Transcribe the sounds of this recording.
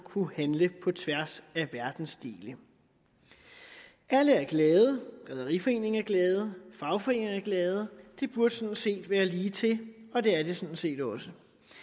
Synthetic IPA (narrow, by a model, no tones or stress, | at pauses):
kʰuhænləpʰɒ̽t͡sʰʋæɐsæʋæɐd̥n̩sd̥e̝̰ːlə | ʔæləæɐɡ̥lɛːð̞ˠəɡ̥ʁɛð̞ˠɐʁifɒ̽e̝̰ːne̝ŋæɐɡ̥lɛːð̞̩ˠfɑ̈ʊfɒ̽e̝ːne̝ŋæɐɡ̥lɛːð̞̩ˠəd̥e̝b̥uɐd̥əsɒ̥̽n̩se̝̰ːd̥ʋæːɐliːt͡sʰe̝lɒ̽d̥e̝æɐd̥e̝sɒ̽nse̝̰ːd̥ɒ̽sə